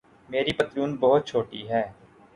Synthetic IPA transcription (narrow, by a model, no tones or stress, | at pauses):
meːɾiːpət̪ɾuːnbəɦʊt̪̚t͡ʃʰoːʈiːɦɛː